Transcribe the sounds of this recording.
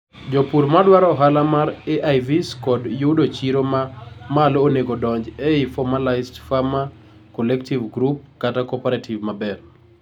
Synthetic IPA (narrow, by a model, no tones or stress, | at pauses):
d͡ʒopuɾmadwaɾɔɔɦalamaɾeʔajviskɔdjudot͡ʃiɾomamaloneɡodɔɲd͡ʒɛɪfɔmalaɪzdfama | kɔlɛktivɡɾup̚katakɔpɛɾatʰivmabɛr